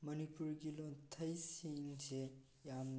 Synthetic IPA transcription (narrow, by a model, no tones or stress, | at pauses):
mʌnipuɾɡilɔntʰɐjsiŋse | jam